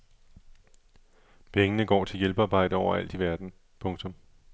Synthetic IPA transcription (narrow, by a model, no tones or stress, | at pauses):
pʰeŋənəɡ̥ɒ̰ːt͡sʰe̝ljelb̥əɑ̈ːb̥ɑ̈ɪ̰d̥əɒʊ̰ɐæl̰d̥iʋæɐd̥n̩ | pʰɔ̽ŋt͡sʰɔ̽m